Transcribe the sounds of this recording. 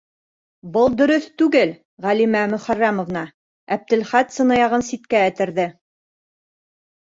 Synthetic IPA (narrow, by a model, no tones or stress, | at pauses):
bɤlˠd̪ɵ̆ɾɵθt̪ʉɡɘl | ʁælimæmɵ̆χærːæmŏvnɑ | æp̚t̪ɘ̆lχæt̪sɤ̆nɑjɑʁɤnsit̪̚kæːt̪ɘ̆ɾðɘ